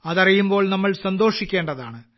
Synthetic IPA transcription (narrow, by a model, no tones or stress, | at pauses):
ɐðɐrijumbo̞ːɭnɐmːɐɭsɐnd̪o̞ːʂikʲːe̞ːɳɖɐðaːɳɨ